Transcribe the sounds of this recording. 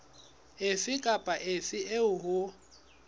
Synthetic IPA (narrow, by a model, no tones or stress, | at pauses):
efɪkʼapʼaʔefɪʔeʊɦʊ